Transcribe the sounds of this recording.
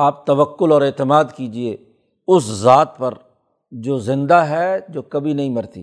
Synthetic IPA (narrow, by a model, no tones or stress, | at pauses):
aːp̚t̪ɐʋəkːʊlɔːɾeːt̪ɪmaːd̪kiːd͡ʒie | ʊszaːt̪̚pɐɾ | d͡ʒoːzɪ̃nd̪aɦɛd͡ʒoːkɐbʱinɐɦĩmɐɾt̪ḭː